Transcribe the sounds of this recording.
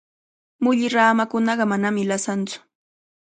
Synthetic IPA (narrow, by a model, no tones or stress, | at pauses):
mʊʎɪɾaːmakʊnɑɢɑmanamɪlasant͡sʊ̥